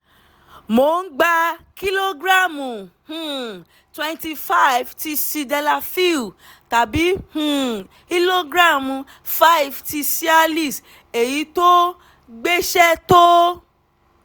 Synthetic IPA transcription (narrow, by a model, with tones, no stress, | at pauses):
mo˨n̩˦ɡ͡ba˧ki˦lo˦ɡɾa˦˨mũ˨hũ˨ | twɛ̃˦˧nti˧fa˦jvti˧si˧dɛ˧la˧fi˦˨ta˨bi˨˦hũ˨ | ki˦lo˦ɡɾa˦˨mũ˨˧ | fa˦ji˨fti˧si˦a˧li˦˨s | e˨ji˨˦to˦ | ɡ͡be˦ʃɛ˦to˦